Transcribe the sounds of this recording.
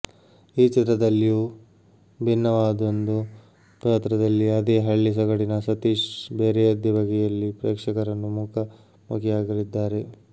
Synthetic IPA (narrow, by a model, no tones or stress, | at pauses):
iːt͡ʃit̪ɾɐd̪ɐlːijuː | bʱinːɐʋaːd̪ond̪u | pɐt̪ɾɐd̪ɐlːiɐd̪eːɦɐɭːis̬ɐɡɐɽinɐsɐt̪iːʂbeːɾɛɐd̪jɐbʱɐɡɛjɐlːipɾeːkʂɐkɐɾɐnːumukʰɐ | mukijaːɡɐlid̪ːaːɾe̞